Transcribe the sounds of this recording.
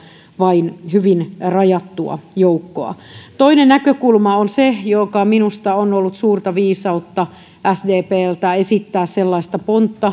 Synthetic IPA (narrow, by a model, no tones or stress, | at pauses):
ʋɑinhyʋinrɑjɑt̪ːuɑ̰joukːo̰ɑ̰t̪oinennækøkulmɑonsejokɑminust̪ɑonolːut̪suːrt̪ɑʋiːsɑut̪ːɑ | ʔæsdeːpeːlt̪æesit̪ːæːsselːɑist̪ɑpont̪ːɑ